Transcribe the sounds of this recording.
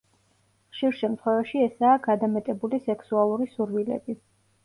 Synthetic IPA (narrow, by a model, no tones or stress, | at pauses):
χʃiɾʃɛmt̪ʰχwɛvaʃiɛsaːɡad̪amɛt̪ʼɛbulisɛksualˠuɾisuɾwilɛ̰bi